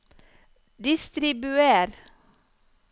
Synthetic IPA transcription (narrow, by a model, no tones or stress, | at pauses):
d̪ɪst̪ɾɪbʉeːɾ